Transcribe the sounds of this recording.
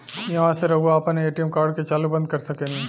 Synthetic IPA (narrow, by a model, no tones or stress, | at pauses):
jɐʋãːseɾɐɡoaːpɐneːʈijəmkaːɾɖket͡ʃaːlubɐ̃nd̪kɐɾsɐkẽːni